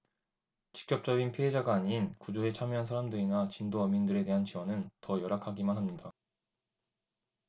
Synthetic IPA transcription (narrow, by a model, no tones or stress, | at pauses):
t͡ɕi̥k̚t͡ɕ͈ʌp̚t͡ɕ͈ʌɡinpʰiɦed͡ʑaɡaːɲinkud͡ʑoet͡ɕʰamjɦansʰaɾamdɯɾinat͡ɕindoʌmindɯɾe̞te̞ɦant͡ɕiwʌnɯntʌjʌɾakʰaɡimanɦamɲida